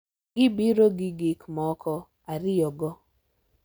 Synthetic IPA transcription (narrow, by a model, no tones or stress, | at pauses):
ɡɪbiɾoɡɪɡikmɔkʰɔ | aɾɪjɔɡɔ